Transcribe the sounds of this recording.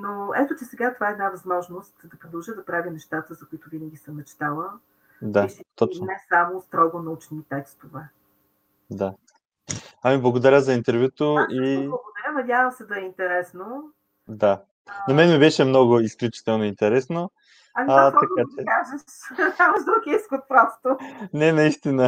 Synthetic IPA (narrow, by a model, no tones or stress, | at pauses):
noɛt̪ot͡ʃɛsɛɡat̪ovaɛd̪navɐzmɔʒnost̪d̪ɐpɾod̪ɐlˠʒəd̪ɐpɾavʲinɛʃt̪at̪əzɐkʊit̪ovinəɡʲisəmnɐt͡ʃɛ̥t̪alˠə | d̪ait̪ɔt͡ʃnɛsamost̪ɾɔɡonɐut͡ʃnit̪ɛkst̪ovɛ | d̪a | amiblˠɐɡod̪ɐɾʲəzɐint̪ɛɾvʲjut̪oʔiblˠɐɡod̪ɐɾʲənɐd̪ʲjavɐmsɛd̪ɐɛint̪ɛɾɛsno | d̪a | nɐmɛnmibɛʃɛmnɔɡʊisklʲut͡ʃi̥t̪ɛlˠnoint̪ɛɾɛsno | ɐmit̪ɐat͡ʃɛkaʒəʃnamɐʃd̪okʲiiskot̪̚pɾɔst̪onɛnɐist̪inə